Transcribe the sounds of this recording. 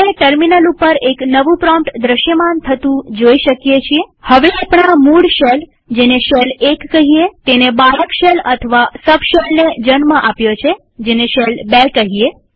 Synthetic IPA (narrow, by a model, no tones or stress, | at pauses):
eʈəɾminəlupəɾeknəʋũpɾɔmʈd̪ɾəʃjəmant̪ʰət̪ũd͡ʒoiʃəkjet͡ʃʰiehəʋeapɳamuɽʃel | d͡ʒeneʃelekːəɦiet̪enebaɾəkʃelət̪ʰəʋasəbʃelned͡ʒənməʔapjot͡ʃʰe | d͡ʒeneʃelbekəɦie